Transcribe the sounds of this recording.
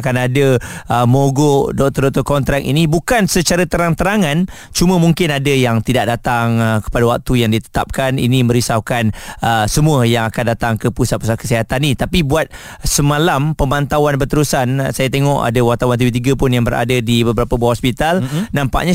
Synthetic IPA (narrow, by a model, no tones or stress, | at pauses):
kanadəəmoɡodɔʔ̚t̪ɔdɔʔt̪ɔkɔnt̪ɾak̚ḭnibukansət͡ʃaɾat̪əɾaŋt̪əɾaŋãn | t͡ʃuməmũŋkɪnadəjaŋt̪idaʔ̚dat̪aŋkə̥padawak̚t̪ujaŋdit̪ə̥t̪a̰p̚kanḭnimə̃ɾisawkanəsəmũəjaŋakandat̪aŋkəpusat̪̚pusat̪̚kə̥siɦat̪anːĩt̪apibuat̪̚ | səmalampəmãnt̪awanbərt̪əɾusansajat̪eŋɔʔa̰dəwart̪awant̪̬ivit̪̬iɡəpʊnjaŋbəɾʔa̰dədibəbəɾapəbaaɔspit̪alnãmpa̰ʔɲa